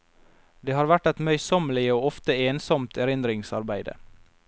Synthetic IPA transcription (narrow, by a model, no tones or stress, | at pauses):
d̪eːhɑːɾʋæʈɛt̪mœʏsɔməlɪəoːɔft̪əeːnsɔmt̪ʰæɾɪnd̪ɾɪŋsɑɾbæɪd̪ə̰